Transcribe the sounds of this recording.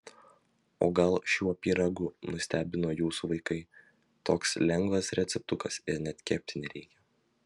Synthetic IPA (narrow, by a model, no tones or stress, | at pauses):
o̰ːɡɐlˠʃʲuːɐpʲiːɾɐɡʊnʊsʲt̪ʲæːbʲɪnoːjuːsuʋɐɪkɐɪ | t̪oːkslʲɛŋɡʋɐsɾʲɛt̪sʲɛp̚t̪ʊkɐsɪɾnʲɛt̪kʲɛːp̚ʲt̪ʲɪnʲɛɾʲɛɪkʲɛ